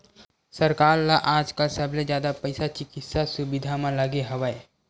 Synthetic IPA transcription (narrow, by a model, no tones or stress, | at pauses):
sɐɾkaːɾlaʔaːd͡ʒkəlsəbʱled͡ʒjaːd̪apɐɪsat͡ʃɪkɪt̪sasʊbɪd̪ʱamãləɡeɦɐʋae